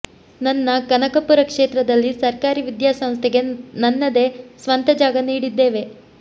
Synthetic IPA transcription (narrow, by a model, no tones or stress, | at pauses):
nɐnːɐkɐnɐkɐpːuɾɐkʂeːt̪ɾɐd̪ɐlːisɐɾkaːɾiʋid̪jaːsɐ̃mst̪ʰɛɡe̞nɐnːɐd̪e̞ːsʋɐnt̪ɐd͡ʒaːɡɐniːɽid̪ːe̞ːʋe̞